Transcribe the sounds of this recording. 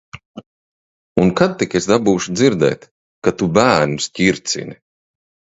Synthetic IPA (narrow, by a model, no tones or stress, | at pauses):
unkad̪̚t̪ikesd̪abuːʃud̪ziɾd̪ɛ̰ːt̪ | kat̪ubæːɾnusciɾt̪sʲḭnʲi